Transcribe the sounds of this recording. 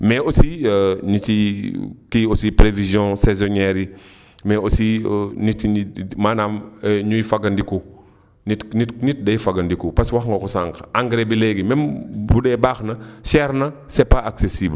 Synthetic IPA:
mɛosiɲitikiosipɾevizjɔ̃sɛzɔnɛɾi | mɛosinitimaːnaːmɲujfɐɡɐndiku | nitnitnit̚dɐjfɐɡɐndikupɐswɐxŋɡɐkusaŋkaŋɡɾebilɛɡimɛmbudɛbaːxnɐʃɛɾnɐsɛpaaksesiːbl

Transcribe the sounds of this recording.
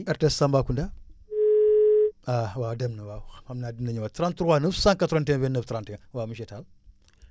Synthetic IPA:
aɾtessambakunda | awademnɐwawamnadimnəɲiwatɾãntuɾwanəfsãŋkatɾontenvenəftɾãntewamiʃetal

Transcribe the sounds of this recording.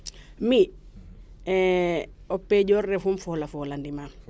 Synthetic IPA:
mi | ɔpːeɟɔrːefumfɔlafoːlandima

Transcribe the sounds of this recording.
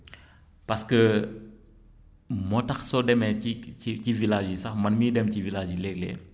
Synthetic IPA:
pɐskə | mɔtɐxsɔdɛmɛiicivilaːʒisɐxmɐnmiːdɛmcivilaːd͡ʒilɛːklɛ̰

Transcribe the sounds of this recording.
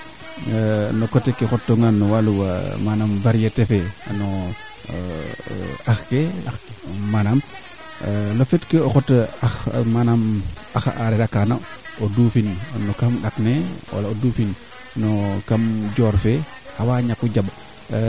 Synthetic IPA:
nokotekexɔtːoŋanːɔwaluwa̰manamvaɾijetefeno | axkeamanam | lofetkeoxotaxmanam | axaɾeɾakana̰odufinnokamɗaknewa̰laodufin | nokamd͡ʒoɾfe | awaːɲakuɟab

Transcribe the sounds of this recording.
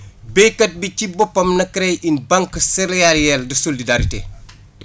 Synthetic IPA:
bɛjkɐt̚bicibɔpːɐmnɐkɾɛjinbɐŋksɛɾɛaɾjɛldɐsolidaɾitḛ

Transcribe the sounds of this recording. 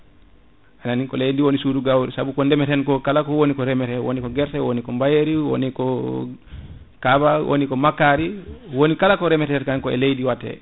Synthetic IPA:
ananikɔlejndiwonisuduɡawɾisabukɔndɛmɛtɛnkɔkalakɔwonikɔɾɛmɛtɛwo̰nikɔɡɛɾtɛwonikɔmbajeɾiwo̰nikɔ | kabawʔo̰nikɔmakaɾiwonikalakɔɾɛmɛtɛɾkankɔɛ̰lejdiwatːɛ̰

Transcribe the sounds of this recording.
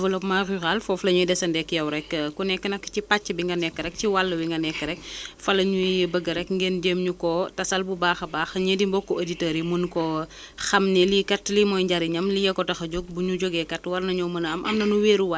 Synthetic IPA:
vɐlɔpmaxyxalfɔflɐɲujdɛsɐndɛkːjɐwɾɛkːunɛkːənɐkːcipat͡ʃːəbiŋɡɐnɛkːəɾɛk̚ciwalːɐwiŋɡɐnɛkːəɾɛk̚fɐlɐɲujjəbəɡɐɾɛkŋɡenɟeːmɲukɔtɐsɐlbubaːxɐbaːxɐɲedimbɔkːɔeditɐːɾimunkɔ | xɐmnɛlikɐtlimɔːjɲɟaɾiɲɐmlijɛkɔtɐxɐɟoɡ̚buɲuɟɔɡɛkɐtwɐrnɐɲɔmɐnɐmʔɐ̰mnɐnuweːɾuwa

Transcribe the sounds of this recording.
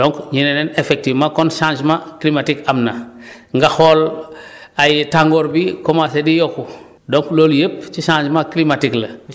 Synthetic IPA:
dõŋkɲinenenefek̚tivmakonʃãd͡ʒmaklimatikamna | ŋɡaxol | ajtaŋɡoːɾbikomasedijoku | dõŋkloːljep̚t͡ʃiʃãːɲd͡ʒmaklimatiklɐ

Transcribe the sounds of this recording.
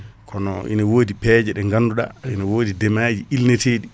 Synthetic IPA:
kʰɔnɔ̰ʔḭnawoːdipɛːd͡ʒɛɗɛŋɡanːduɗa̰inawoːdidɛmaːd͡ʒiilneteːɗi

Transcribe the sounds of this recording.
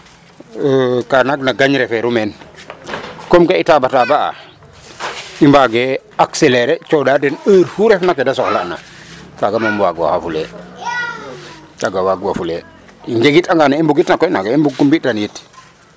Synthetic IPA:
kanaɡnaɡaɲɾɛfɛɾumɛn | komkaitabatabaa̰ | imbaɡe | akseleɾɛt͡ʃɔdadɛnəɾfuɾɛfnakːedasɔxlaʔna̰ | kaɡamambwaɡwa̰xafulɛ | t͡ʃaɡawaɡwafule | iɲd͡ʒeɡitaŋɡanaimbuɡitnakːɔinaɡeimbuɡ̚kumbitanjit

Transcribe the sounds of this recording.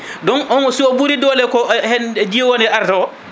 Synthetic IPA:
dɔnʔɔnsiɔbuɾidɔːlɛkɔhɛndijɛwɔnɛʔaɾtaɔ

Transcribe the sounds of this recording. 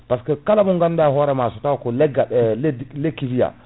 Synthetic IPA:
paskɛkalamuŋɡandaɦɔɾɛmasɔtawkɔlɛɡːaɗɛdlekːivija̰

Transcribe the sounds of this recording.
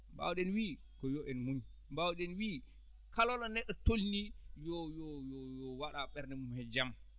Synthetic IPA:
mba̰wɗɛnwi | kɔjɔʔɛnmum | mbawɗɛnwiː | kalɔlɔnɛɗːɔtolnijɔjɔjɔjɔwaɗaɓɛɾnɛmumhɛd͡ʒam

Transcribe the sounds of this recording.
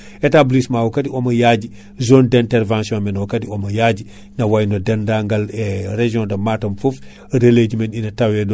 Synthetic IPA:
etablismawokatiomɐjaɟi | zoːndẽnteɾvãnsiõmenwkatiomɐjaɟi | nɐwajnodendaːŋɡaleɾeʒiõndɐmatɐmfof | ɐdeled͡ʒimeninɐtawed

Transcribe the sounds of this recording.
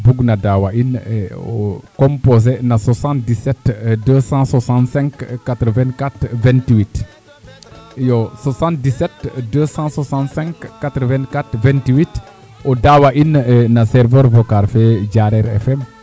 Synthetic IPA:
buɡnadawaʔinokõmpozenaswasãnt̚disɛtdøsɑ̃swasãntsɛ̃ŋkːat̪ɾəvɛ̃nkat̪vɛ̃ntwit | josasãnt̚disɛtdəsɑ̃swasãntsɛ̃ŋkːat̪ɾəvɛ̃nkat̪vɛ̃ntiwit | odawaʔinnasɛɾvəɾvokaɾfɛɟaɾɛɾɛ̰fɛm

